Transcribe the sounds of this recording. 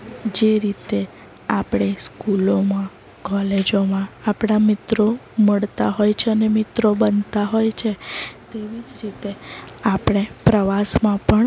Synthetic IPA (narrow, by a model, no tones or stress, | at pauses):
d͡ʒeɾit̪e | apɽ̃eskulomã | kɔled͡ʒomãːpɽ̃amɪt̪ɾoməɭt̪aɦojt͡ʃʰeənemɪt̪ɾobənt̪aɦojt͡ʃʰet̪eʋid͡ʒɾit̪eapɽ̃epɾəʋasmãpəɳ